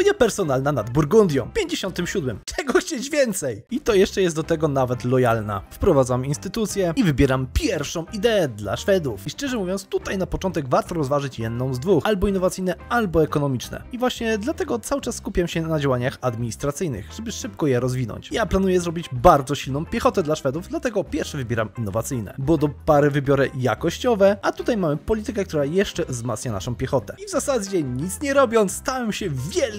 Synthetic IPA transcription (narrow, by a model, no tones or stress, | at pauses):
ɔɲapɛɾsɔnalnanad̪buɾɡund̪ʲjɔ̰̃w̃pʲjeɲd͡ʑeɕɔnt̪ɘmɕud̪mɘmɛɡɔxt͡ɕed͡ʑvʲjɛnt̪sɛjit̪ɔjɛʂt͡ʂɛjɛst̪d̪ɔt̪ɛɡɔnavɛt̪lɔjalna̰fpɾɔvad̪zaminst̪ɘt̪ut̪sʲjɛivɘbʲjɛɾampʲjɛɾfʂɔ̃w̃id̪ɛɛd̪la̰ʂfɛd̪ufiʂt͡ʂɛʐɛmuvʲjɔnt̪st̪ut̪ajnapɔt͡ʂɔnt̪ɛɡvaɾt̪ɔɾɔzvaʐɘt͡ɕjɛd̪nɔ̃w̃zd̪vuxalbɔinːɔvat̪sɘjnɛalbɔɛkɔnɔmʲit͡ʂnɛ̰ivwaɕɲɛd̪lat̪ɛɡɔt̪sawɘt͡ʂasːkupʲjamɕɛnad͡ʑawaɲaxad̪mʲiɲist̪ɾat̪sɘjnɘ̰xʐ̥ɛbɘʂɘp̚kɔjɛɾɔzvʲinɔ̰ɲt͡ɕjaplanujɛzɾɔbʲid͡ʑbaɾd̪zɔɕilnɔ̃w̃pʲjɛxɔt̪ɛd̪laʂfɛd̪uvd̪lat̪ɛɡɔpʲjɛɾfʂɛvɘbʲjɛɾa̰minːɔvat̪sɘjnɛ̰bɔd̪ɔpaɾɛvɘbʲjɔɾɘja̰kɔɕt͡ɕɔvɛʔat̪ut̪ajmamɘpɔlʲit̪ɘkɛkt̪uɾajɛʂt͡ʂɛvzma̰t̪sɲana̰ʂɔ̃w̃pʲjɛxɔt̪ɛivzasad͡ʑɛɲit̪sɲɛɾɔbʲjɔnst̪awɛmɕɛvʲjɛl